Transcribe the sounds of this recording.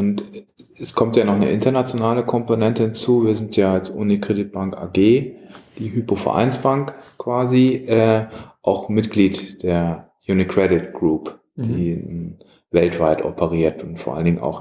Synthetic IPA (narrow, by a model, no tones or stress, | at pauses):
ʔʊntɛskʰɔmtjaːnɔχnə̰ʔɪntɐnat͡sjonaːləkʰɔmponɛntəhɪnt͡suːviːɐzɪntʰjaːalsʔṵːnikʁ̥edɪt̚b̥aŋka̰ːɡeːd̥iːɦypofɛ̰ɐʔa̰ɪnsb̥aŋkkʰv̥aːziʔɛːʔaʊxmɪtɡ̥liːtd̥eːɐ | juːnikʁ̥ɛdɪtɡ̥ʁuːp | d̥iː | vɛltv̥aɪtʔɔ̰pʰəʁiːɐtʊntfoɐʔa̰lndɪŋʔa̰ʊx